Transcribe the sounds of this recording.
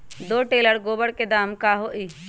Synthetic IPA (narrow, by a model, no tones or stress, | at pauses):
d̪oːʈeːləɾɡoːbəɽked̪aːmkaːɦoːʔiː